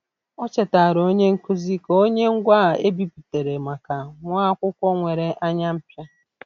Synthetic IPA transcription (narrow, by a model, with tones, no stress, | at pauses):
ɔ˦t͡ʃe˨ta˨ɾo˦ɲe˦ŋ̩˦ku˦zi˦ko˦ɲe˦ŋ̩˦ɡʷa˦˨e˦bi˦pi˨te˨ɾe˨ma˨ka˨ŋʷa˦kʷʊ˦kʷɔ˦ŋʷe˨ɾe˨ʔa˦ɲa˦m̩˦pja˦